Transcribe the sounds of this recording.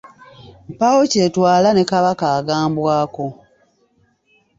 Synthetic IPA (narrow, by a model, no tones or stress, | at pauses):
m̩pawoce̞ːtwaːlane̞kaβakaːɡaːmbwaːko̞